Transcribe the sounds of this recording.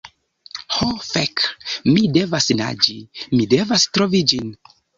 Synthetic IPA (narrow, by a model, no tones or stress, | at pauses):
hofekmide̞vasna̰d͡ʒimide̞vastɾovid͡ʒin